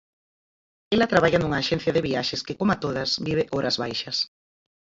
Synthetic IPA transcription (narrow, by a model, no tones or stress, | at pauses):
elɐt̪ɾaβaʎɐnuŋaːʃɛ̃n̟θjɐðeβiaʃeskekomat̪oðɐsβiβ̞eʔoɾʔɐzβajʃɐs